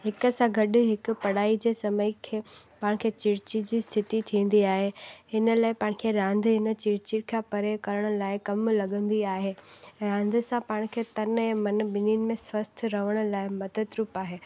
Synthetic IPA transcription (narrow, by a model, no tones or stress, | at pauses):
ɦɪkə̆sãɡɐɗʊ̆ɦɪkʊ̆pɐɽaːid͡ʑeːsɐməikʰeːpaːɽ̃kʰeːt͡ɕɪɾt͡ɕid͡ʑiːst̪ʰɪt̪it̪ʰĩːn̆d̪iaːɦeɪnə̆laːɪpãːɽ̃̆kʰeːɾãːnd̪ʱɦɪnə̆t͡ɕɪɾt͡ɕiɽkʰãpɐɾekɐɾəɽ̃ʊ̆laːɪkɐmlɐɠə̃nd̪iaːɦeːɾãːnd̪ʱɪ̆sãpaːɽ̃kʰeːt̪ɐnɛ̃ːmɐn̆ɓɪninɪ̆mẽsʋɐst̪ʰɾɐʋəɽ̃ʊ̆laːɪmɐd̪əd̪ɾuːpaːɦeː